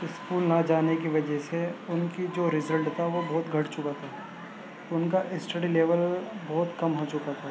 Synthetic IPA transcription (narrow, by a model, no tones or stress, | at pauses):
ɪskuːlnɐd͡ʒaːnekiʋɐd͡ʒɛɦseʊnkid͡ʒoːɾɪzəlʈt̪ʰaʋobɔːt̪ɡʱɐʈt͡ʃʊkat̪ʰaː | t̪oʊnkaʔɪsʈəɖileːʋəlbɔːt̪kɐmɦot͡ʃʊkat̪ʰaː